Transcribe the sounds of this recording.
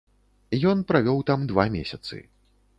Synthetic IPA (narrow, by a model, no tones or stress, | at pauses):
jɔnpɾavʲɔwt̪amd̪vamʲesʲɐt̪sɨ̰